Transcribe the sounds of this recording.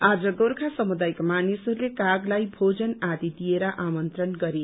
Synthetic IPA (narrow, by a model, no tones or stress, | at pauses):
ad͡zʌɡoɾkʰasʌmud̪ajkmanisʌɾulekaɡlajbʱod͡zʌnad̪id̪ijeɾʌʔamʌnt̪ɾʌnɡʌɾe